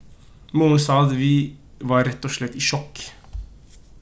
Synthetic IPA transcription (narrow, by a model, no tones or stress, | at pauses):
muːənsɑːd̪ʋɪ | ʋɑɾɛt̪ːɔʂɭɛt̪ːiʃɔkː